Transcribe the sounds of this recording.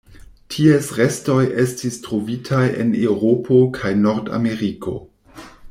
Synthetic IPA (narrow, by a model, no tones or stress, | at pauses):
tʰiesɾe̞sto̞jʔestistɾo̞vitʰaje̞̰newɾopʰo̞kʰajno̞ɾda̰me̞ɾikʰo̞̰